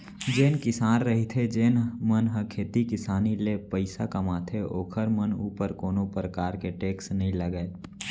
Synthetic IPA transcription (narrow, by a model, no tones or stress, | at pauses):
d͡ʒeːnkɪsaːnɾɐɦit̪ʰed͡ʒeːnmɐnɦɐkʰeːt̪ikɪsaːnilepəɪsakɐmaːt̪ʰeʔoːkʰəɾmənuːpəɾkoːnõpɾəkaːɾkeʈeːksnɐɦĩləɡəe